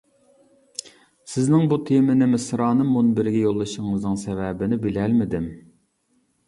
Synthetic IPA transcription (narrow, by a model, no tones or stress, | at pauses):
sɪznɪŋbut̪ʰemɪnɪmɪsɾɑːnɨmːunbɪɾɡʲɛjolˠːɨʃɪŋɨznɨŋsɛvɛbɪnɪbɪlælmɪd̪ɪm